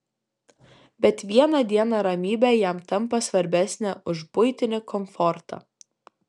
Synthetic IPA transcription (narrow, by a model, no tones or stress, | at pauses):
bʲɛt̪ʋʲiɛnɐd̪ʲiɛnɐɾɐmʲiːbʲɛjæˑmt̪ɐmpɐsʋɐɾʲbʲæsʲnʲæʔʊʒbʊɪt̪ʲɪnʲɪkɔmfɔɾt̪ɑ̰